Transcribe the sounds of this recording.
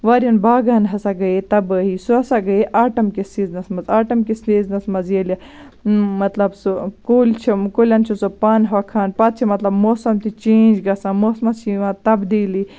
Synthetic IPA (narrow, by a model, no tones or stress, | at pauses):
ʋaːɾʲjɐnbaːɡaːnɦɐsaɡɐet̪ɐbəːɦisuɐsaɡɐeʔaːʈɐmkisiːznɐsmɐzaːʈɐmkisiːznɐsmɐzelʲɐ | mɐt̪lɐbsokoːlʲt͡ʃʰikolʲɐnt͡ʃʰusopɐnɦɐkʰaːnpɐt̪̚t͡ʃʰimɐt̪lɐbmoːsɐmt̪it͡ʃẽːnd͡ʒɡɐsãmoːsmɐsiʋãt̪ɐbd̪iːli